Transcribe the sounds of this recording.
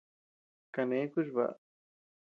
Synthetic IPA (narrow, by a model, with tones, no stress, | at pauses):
ka˧nẽ˨˦ku˦ʒ̬βa̰˨ʔ